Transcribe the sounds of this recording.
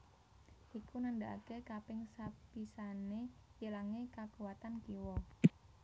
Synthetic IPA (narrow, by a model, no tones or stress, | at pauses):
ʔikunandaʔa̰kekapɪŋsapisanejəlaŋekakuwat̪ankiwɔ